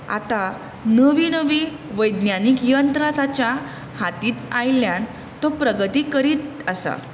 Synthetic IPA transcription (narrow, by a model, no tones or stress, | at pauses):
a̰t̪a | nəʋiːnəʋiː | ʋəjd̪njanikjənt̪ɾat̪at͡ɕja | hat̪iːt̪ajljan | t̪ɔpɾəɡət̪iːkəɾiːt̪əsa̰